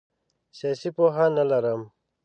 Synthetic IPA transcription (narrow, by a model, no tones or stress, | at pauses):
sjaːsipoːɦaːnːɐlɐɾəm